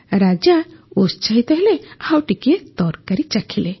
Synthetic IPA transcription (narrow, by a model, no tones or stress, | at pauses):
ɾad͡ʒaost͡ʃaɦit̪aɦɛlɛawʈiket̪ɔɾkaɾit͡ʃakʰilɛ